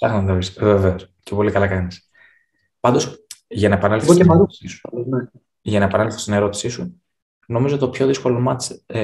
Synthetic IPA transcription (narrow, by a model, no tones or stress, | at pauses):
sɐxnɐnɐvisveveoscepo̞likɐlɐkɐnis | pɐnd̪o̞sʝɐnɐepɐnɐlfeosemɐɾu̥sisu̥ɐlne | ʝɐnɐepɐnɐlfθe̥st̪ine̞ɾo̞t̪i̥sisu | no̞mizot̪t̪opço̞ðisko̞lo̞mɐt͡s